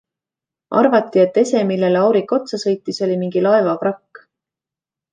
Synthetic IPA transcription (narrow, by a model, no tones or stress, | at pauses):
ɑ̰rvɑt̪ːie̞t̪ːe̞se̞milːe̞leɑwɾikːˑo̞t̪sɑsɤ̞jt̪ːiso̞lʲimiŋɡ̥ilɑe̞vɑprɑkː